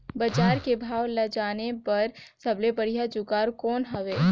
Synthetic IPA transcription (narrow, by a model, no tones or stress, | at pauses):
bɐd͡ʒaːɾkebʱaːʋlɐd͡ʒaːnepɐɾsɐblepɐɽijad͡ʒʊkaːɾkɔːnɦɐʋeː